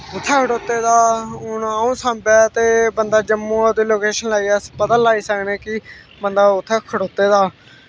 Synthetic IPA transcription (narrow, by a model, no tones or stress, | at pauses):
ʊt̪ʰːɛːkʰəʈoːt̪ːeːd̪aːʊnəũːsãːmbɛːt̪eːbənd̪aːd͡ʒəmːũːod̪eːloːkeːʃənlaːiːɛspəd̪əllaːiːsəkneːkɪ | bənd̪aːʊt̪ʰːɛːkʰəɽoːt̪ːeːd̪aː